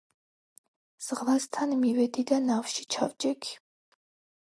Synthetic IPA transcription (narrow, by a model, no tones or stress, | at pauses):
z̥ʁlast̪ʰanmivɛd̪id̪anafʃi̥t͡ʃʰa̰vd͡ʒɛkʰi̥